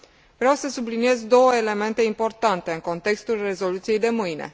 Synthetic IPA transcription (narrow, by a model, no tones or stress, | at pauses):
vɾeawsəsublinie̞zd̪o̞wəele̞me̞nt̪e̞impo̞rt̪ant̪e̞ɨŋko̞nt̪e̞kst̪ulre̞zo̞lut̪sije̞jd̪e̞mɨjne̞̰